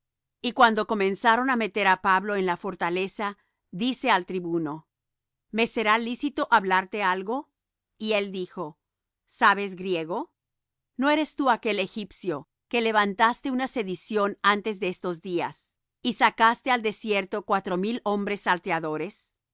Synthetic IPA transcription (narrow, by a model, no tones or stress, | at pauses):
ikwand̪o̞ko̞mẽ̞nsaɾo̞name̞t̪e̞ɾapaβlo̞enlafo̞ɾt̪ale̞sa | ðise̞alt̪ɾiβuno̞ | me̞se̞ɾalisit̪o̞ʔaβlaɾt̪e̞alɣo̞ | ie̞ld̪ixo̞ | saβe̞zɡɾje̞ɣo̞ | no̞e̞ɾe̞st̪uake̞le̞xipsjo̞ | ke̞le̞βant̪ast̪e̞unase̞ðisjo̞nant̪e̞zðeest̪o̞zd̪ia̰s | isakast̪eald̪e̞sje̞ɾt̪o̞kwat̪ɾo̞milo̞mbɾe̞sːalt̪eaðo̞ɾe̞s